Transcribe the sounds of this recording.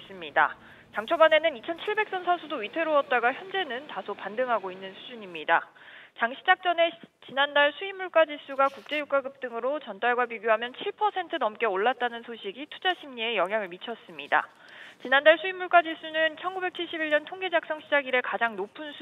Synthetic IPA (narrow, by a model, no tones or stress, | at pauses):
s͈ɯmɲida̰ | t͡ɕaŋt͡ɕʰobane̞nɯnit͡ɕʰʌnt͡ɕʰiɭbe̞k̚s͈ʌnsʰasʰudoitʰe̞ɾoʌt̚t͈aɡaçjʌnd͡ʑe̞nɯntasʰopandɯŋɦaɡoinːɯnsʰud͡ʑuɲimɲida̰t͡ɕaŋɕʰid͡ʑak̚t͡ɕ͈ʌne̞t͡ɕinandaɭsʰuimːuɭk͈ad͡ʑis͈ʰuɡakuk̚t͡ɕ͈e̞juk͈aɡɯp̚t͈ɯŋɯɾot͡ɕʌnt͈aɭɡwapiɡjoɦamjʌnt͡ɕʰiɭpʰʌsʰe̞ntʰɯnʌmk͈e̞oɭːat̚t͈anɯnsʰoɕʰiɡitʰud͡ʑaɕʰimɲie̞jʌŋjaŋɯɭmit͡ɕʰʌs͈ɯmɲida̰ | t͡ɕinandaɭsʰuimːuɭk͈ad͡ʑis͈ʰunɯnt͡ɕʰʌnɡube̞k̚t͡ɕʰiɭɕ͈ibiɭɲʌntʰoŋɡe̞d͡ʑak̚s͈ʌŋɕʰid͡ʑaɡiɾe̞kad͡ʑaŋnopʰunsʰ